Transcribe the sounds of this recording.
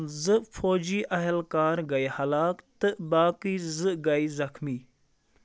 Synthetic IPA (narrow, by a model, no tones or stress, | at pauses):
zɨfoːd͡ʒiːʔɐɦɪlkaːɾɡɐihɐlaːkt̪ɨbaːkiːzɨɡɐiːzɐxmiː